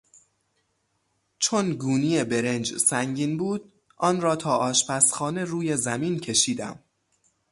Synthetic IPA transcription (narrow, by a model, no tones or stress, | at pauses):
t͡ʃʰonɡuːniːje̞beɾe̞nd͡ʒsæŋɟiːnbuːd̪̚ | ʔɒːnɾɒːt̪ʰɒːʔɒːʃpæsxɒːne̞ɾuːje̞zæmiːncʰe̞ʃiːd̪æ̰m